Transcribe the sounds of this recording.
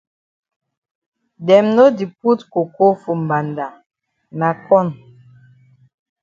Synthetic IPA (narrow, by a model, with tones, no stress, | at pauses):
dɛ˨mno˦di˨p̚u˦tko˨ko˦fu˨m̩˨ba˨nda˨ | na˨kɔ˦˨n